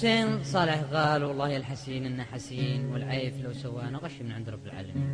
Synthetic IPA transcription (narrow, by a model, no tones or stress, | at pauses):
eːnsˤɑːlɪħɣaːlwɑlˤːɑːhjalħasiːnʔɪnːaħasiːnwɪlʕaːflawsawːaːnaɣaʃːimɪnʕɪnd̪ɾˤɑbːɪlʕa̰ːlam